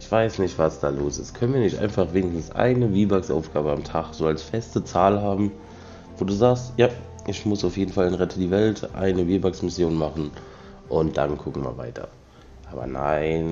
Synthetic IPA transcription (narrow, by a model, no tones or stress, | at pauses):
ʔɪçv̥aɪsnɪçtv̥asd̥aːloːsɪst̚kʰœnənviːɐnɪçtʔa̰ɪnfaχveːnɪɡsn̩sʔa̰ɪnəviːbaksʔa̰ʊfɡ̥aːbəamtʰaχz̥oːalsfɛstət͡saːlɦaːbm̩ | voːduːzaːkstjaː | ʔɪçmʊsaʊfjeːdn̩falɛnʁɛtʰədiːvɛltʔa̰ɪnəviːbaksmɪsjoːnmaχn̩ | ʔʊntd̥a̰nkʰʊkŋ̩ma̰ːva̰ɪtʰɐ̰ | ʔaːbɐ̰na̰ɪn